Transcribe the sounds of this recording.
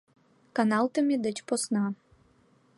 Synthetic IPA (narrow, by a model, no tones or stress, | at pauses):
kanɑlˠt̪əmʲed̪ət͡ɕposnɑ